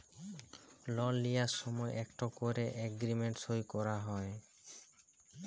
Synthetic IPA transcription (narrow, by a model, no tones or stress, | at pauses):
lɔlːijasʃɔmɔeʔɛkʈokoɾeʔɛɡɾimeɳʈsojkɔɾaɦɔe